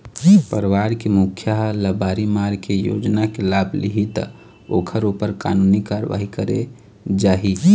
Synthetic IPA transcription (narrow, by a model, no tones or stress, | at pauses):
pəɾʋaɾkemukʰːjaɦləbaɾimaɾkejo̰d͡ʒnakelabʱlḭɦit̪ | okʰəɾupəɾka̰nunikaɾʋa̰ɦikəɾḛ | d͡ʒaːɦi